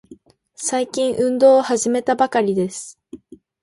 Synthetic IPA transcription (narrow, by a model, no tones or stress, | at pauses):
saikʲĩɰ̃ʔɯ̟̃nd̪o̞ːhaʑime̞t̪abakaɾʲid̪e̞sɨ̥